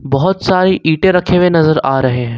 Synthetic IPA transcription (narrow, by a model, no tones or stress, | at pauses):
bɐɦʊt̪saːɾeʔiːʈẽɾɐkʰeʋenɐzəɾaːɾɐɦeɦɛ̃ː